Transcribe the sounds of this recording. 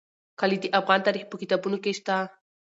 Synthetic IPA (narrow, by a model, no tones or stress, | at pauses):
kalit̪iʔapɢant̪aɾɪχpʊkit̪apʊnʊkeʃt̪a